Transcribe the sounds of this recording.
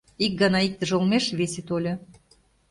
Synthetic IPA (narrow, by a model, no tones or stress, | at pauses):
ik̚ɡɑnɑik̚t̪ə̆ʒolmeʃβeset̪olʲɤ̆